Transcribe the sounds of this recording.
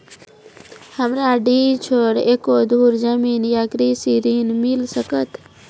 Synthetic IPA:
həmɾaɖit͡ʃʰoɽeːkod̪ʱuːɾd͡ʒamiːnjaɡɾisiɾiːnmilsəkət̪

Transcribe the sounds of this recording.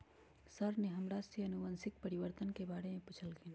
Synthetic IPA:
səɾneɦəmɾasiənubənsɪk̚pəɾiʋəɾt̪ənkebaːɾemẽput͡ʃʰəlɡin

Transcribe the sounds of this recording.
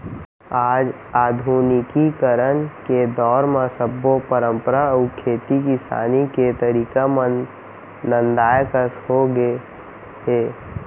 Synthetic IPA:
aːd͡ʒ | aːd̪ʱunɪkikəɾənked̪ɔːɾmẽsəbːopəɾə̃mpəɾaukʰeːt̪ikisa̰ːniket̪əɾiːkamənː | ənd̪aːjkəsɦoɡe | ɦe

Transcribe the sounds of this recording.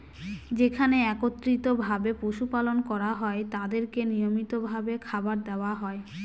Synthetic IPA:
d͡ʑekʰaneɛkot̪ːɾit̪obʱabepoʃupalonkɔɾaɦɔet̪ad̪eɾkenijomit̪obʱabekʰabaɾd̪eoaɦɔe

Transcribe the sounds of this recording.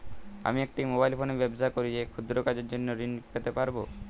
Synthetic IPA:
a̰miek̚ʈimobajlpʰonebebsakoɾiekʰud̪ɾokad͡ʑeɾd͡ʑonːoɾinkʰet̪epaɾbo

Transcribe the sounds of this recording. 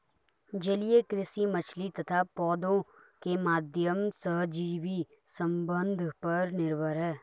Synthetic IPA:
d͡ʒɐlijekɾɪsimət͡ʃʰlit̪ɐt̪ʰapɔːd̪õ | kemaːd̪ʱjəmsəɦd͡ʒiːʋi | sə̃mbə̃nd̪ʱpɐɾnɪɾbəɾɦɛː

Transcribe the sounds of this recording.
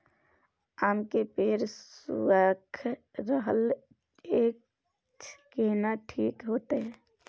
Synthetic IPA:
aːmkepeːɾssṵaːkʰɾəɦəl | eːk̚ | keːnaʈʰiːkɦoːt̪eɦɛː

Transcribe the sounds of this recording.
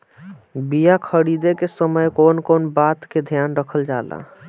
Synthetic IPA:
bijakʰəɽid̪ekesəməjkonkonbat̪ked̪ʱjanɾəkʰəld͡ʒala̰

